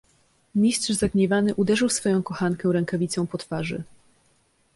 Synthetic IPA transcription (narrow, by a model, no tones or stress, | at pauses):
mʲistʂzaɡɲɛvanɘʔud̪ɛʐɘwsfɔjɔ̃w̃kɔxaŋkɛ̃ɾɛŋkavʲit̪sɔ̃w̃pɔt̪faʐɘ̰